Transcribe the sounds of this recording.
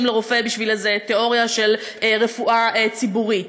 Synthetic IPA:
mleʁofebiʃvilezeteo̞ʁjaʃe̞leʁefuʔaet͡sibuʁit

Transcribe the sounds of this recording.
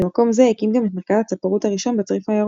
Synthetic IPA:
emako̞mzehekimɡametmeʁkazhat͡sapaʁuthaʁiʃo̞nbet͡sʁifajaʁ

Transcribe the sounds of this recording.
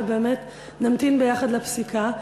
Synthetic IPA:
beːmet̪ | namt̪inbejaχad̪lapsikʰa

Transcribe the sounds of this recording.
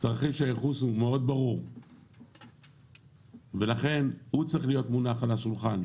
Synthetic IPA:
tʁaχiʃajeχushumeo̞d̪baʁuʁ | ve̞laχe̞nhut͡sʁiχlijo̞t̪munaχalaʃulχan

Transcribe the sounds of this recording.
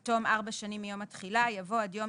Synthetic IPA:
to̞mʔaʁbaʃanimjo̞matχilajavo̞adjo̞

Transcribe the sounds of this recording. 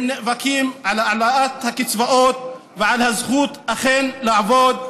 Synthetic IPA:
nevakimʕalalaat̪hakit͡svaʔot̪̚ | veʕalhazχut̪aχenlaʕavod̪̚

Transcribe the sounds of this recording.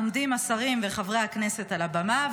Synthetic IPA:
md̪imasaʁimveχavʁehakne̞se̞talabama

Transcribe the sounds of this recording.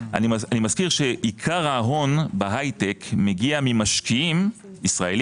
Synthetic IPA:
a̰nianimaz̥kiʁʃeʔikʰaʁaːɦo̞nbaɦajtekmeɡiamimaʃkiim | isʁael

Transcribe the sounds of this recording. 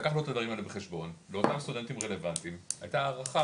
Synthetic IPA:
akaχluot̪ad̪vaʁimalebeχe̞ʃbo̞nleo̞t̪amst̪ud̪e̞nt̪imʁele̞vant̪ima̰jt̪aːʁaχa

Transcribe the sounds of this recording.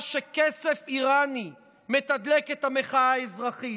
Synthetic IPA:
ʃekesefiʁani | me̞t̪ad̪leket̪ame̞χaaːezʁaχi

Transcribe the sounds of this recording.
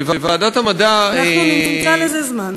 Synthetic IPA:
vavaːdathamadaaniimt͡salezezman

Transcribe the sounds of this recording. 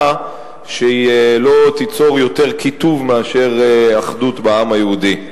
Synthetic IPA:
ʃeielo̞t̪it͡so̞ʁjo̞t̪e̞ʁkit̪uvmeaʃe̞ʁaχd̪utbaamhajeudi

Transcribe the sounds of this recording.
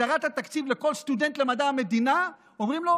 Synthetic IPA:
aʁat̪hat̪akt͡sivleko̞lst̪ud̪e̞nt̪lemad̪aame̞d̪ina | omʁimlo̞

